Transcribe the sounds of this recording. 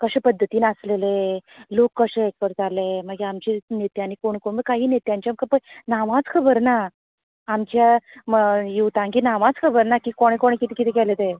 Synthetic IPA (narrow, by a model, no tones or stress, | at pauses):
kəɕepəd̪ʱːət̪iːnəslelelokːəɕeek̚pəɾd͡zaleməɡeamt͡ɕinet̪janikoɳ̃ikoɳməkaɦiːnet̪jaɲt͡ɕjaməkəpənaʋãd͡zkʰəbəɾna | amt͡ɕjaməjuʋt̪ãŋɡiːnaʋãd͡zkʰəbəɾnakiːkoɽ̃ekoɽekit̪ikit̪ʰɛkɛlet̪e